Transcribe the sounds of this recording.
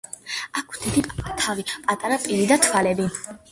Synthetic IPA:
akʰd̪̥id̪it̪ʰavipʼat̪ʼaɾapʼiɾid̪at̪ʰwalɛbi

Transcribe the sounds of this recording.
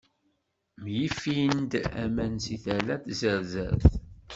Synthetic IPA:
mjifiənd̪æ̰mænsiθælæθzəɾzə̰ɾθ

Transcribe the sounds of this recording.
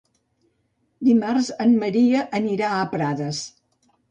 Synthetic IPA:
d̪imarzənməɾiəʔəniɾaəpɾaðəs

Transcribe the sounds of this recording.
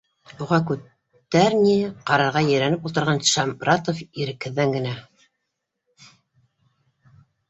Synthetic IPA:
uʁɑkʉt̪ː | æɾnʲiqɑɾɑɾʁɑjɘ̆jɾænɘpulˠt̪ɤ̆ɾʁɑnʃɑmɾɑt̪ofiɾɘ̆khɘ̆ðːæŋɡɘ̆næ

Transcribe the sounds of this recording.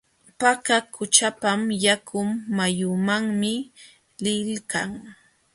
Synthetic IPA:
pakakʊt͡ʃapamjakʰʊmːajʊmaŋmɪ | lɪlkaŋ

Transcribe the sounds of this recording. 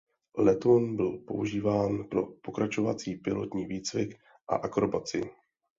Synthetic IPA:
lɛt̪onbɪlpo̞ʔuʒiːvaːnpɾo̞po̞kɾat͡ʃo̞vat͡siːpɪlo̞t̪ɲiːviːt͡svɪk | ʔa̰ʔakɾobat͡sɪ

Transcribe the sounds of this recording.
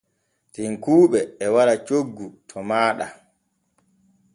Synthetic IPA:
tiŋkuːɓɛːwaɾat͡ʃoɡːutʰɔmaːɗa̰

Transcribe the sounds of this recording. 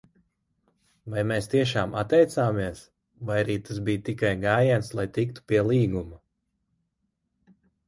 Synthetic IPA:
vajmeːst̪iɛʃ̬aːmat̪ːɛjt̪saːmiɛs | vajaɾiːt̪as̬bijt̪ikajɡaːjant̪slˠajt̪ikt̪u̥piɛlˠiːɡuma

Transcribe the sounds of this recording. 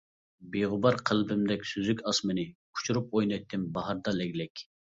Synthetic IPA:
beʁʊbɑɾqʰəlˠbɪmd̪ɛkʲsyzykʲɑsmɨnɨkʰu̥t͡ʃʰuɾup̚ojnɑj̚t̪ʰːɪnbɑɦɑɾd̪ɑlɛɡʲlɛkʲ

